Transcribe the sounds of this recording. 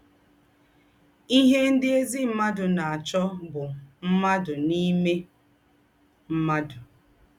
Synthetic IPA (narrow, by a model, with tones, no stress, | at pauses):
i˦ɦe˦n̩˦dɪ˦e˦zi˦m̩˦ma˦dʊ˨na˨a˨t͡ʃɔ˦bʊ˨m̩˦ma˦dʊ˨ni˦me˦ | m̩˦ma˦dʊ˨